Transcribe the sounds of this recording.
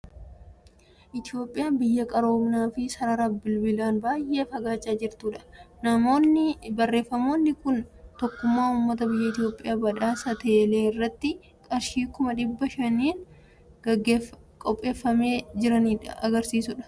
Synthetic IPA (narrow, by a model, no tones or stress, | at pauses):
ʔɪt̪ɪjo̞ːpʼːɪjaːbɪjːɐkʼɐɾo̞ːmnaːfɪsɐɾɐɾɐbɪlbɪlaːnbaːjʔe̞ːfɐɡaːt͡ʃʼːaːd͡ʒɪɾt̪uːᶑɐ̥nɐmo̞ːnːɪbɐrːe̞ːfːɐmo̞ːnːɪkʊnt̪ɔkːʊmːaːʊːmːɐt̪ɐbɪjːɐɪt̪ɪjo̞ːpʼːɪjaːbɐᶑaːsɐt̪ɐɛle̞ːɪrːɐt̪ːɪ | kʼɐɾʃiːkʊmɐᶑɪbːɐʃɐnːiːn | ɐɡe | kʼɔpʼːe̞ːfːɐme̞ːd͡ʒɪɾɐniːᶑɐɐɡɐɾsiːsʊᶑɐ̥